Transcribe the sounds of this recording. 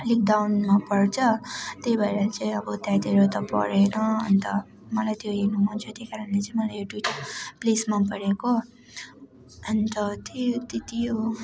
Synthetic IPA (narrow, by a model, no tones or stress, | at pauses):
lik̚dawnmapʌrt͡sʰʌt̪ejbʱaeɾat͡saĩʌbʌt̪jajd̪eɾot̪ʌpʌ̰ɾenʌʌ̰nt̪ʌ | mʌlajt̪joɦinuɦunt͡sʰut̪ejkaɾʌnlet͡saĩmʌlajoʈwiʈplesmapʌɽeko | ʌnt̪ʌt̪et̪it̪ijo